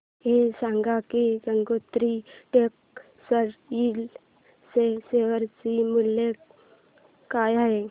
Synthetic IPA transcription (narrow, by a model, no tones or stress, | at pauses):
ɦesãŋɡakiɡəŋɡot̪ɾiʈek | səɾil | seseʋəɾt͡simulje | kajaɦe